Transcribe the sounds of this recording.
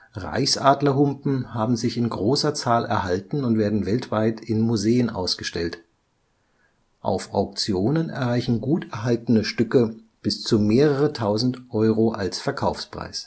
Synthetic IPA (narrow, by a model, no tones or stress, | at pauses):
ʁa̰ɪçsʔaːdlɐɦʊmpm̩haːbm̩zɪçɪnɡʁoːsɐt͡saːlɛ̰ɐɦaltn̩ʊntv̥eːɐdn̩vɛltv̥aɪtʰɪnmuzeːənʔa̰ʊsɡ̥əʃtɛlt | ʔa̰ʊfa̰ʊk̚t͡sjoːnənɛ̰ɐʁaɪçn̩ɡuːtɛɐɦaltənəʃtʏkə | b̥ɪst͡sumeːʁəʁətʰaʊzn̩tʔɔʏʁoʔalsfɛɐkʰaʊfspʁ̥a̰ɪs